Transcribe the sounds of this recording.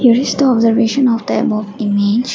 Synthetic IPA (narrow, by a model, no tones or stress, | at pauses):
hiəɾɪzd̪əɔbzəɾʋeːʃə̃nɔʋd̪əɛbɔːɪmeːd͡ʒ